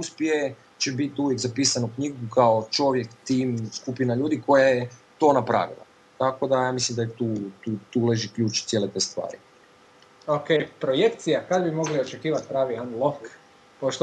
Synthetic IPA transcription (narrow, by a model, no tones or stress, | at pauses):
uspje | t͡ɕe̞bit̪iuʋje̞kzapiːsanukɲiɡukʰaot͡ʃo̞ʋje̞kt̪iːmskupinaʎuːd̪iko̞jajet̪o̞napɾa̰ʋḭlˠa̰ | t̪ako̞d̪ajaːmislimd̪ajet̪uːt̪uːt̪ule̞ʒikʎuːt͡ʃt̪sje̞le̞t̪e̞st̪ʋa̰ːɾi | okejpɾojekt̪sijakad̪bimo̞ɡliot͡ʃekiːʋat̪̚pɾaːʋianlˠok | poʃt̪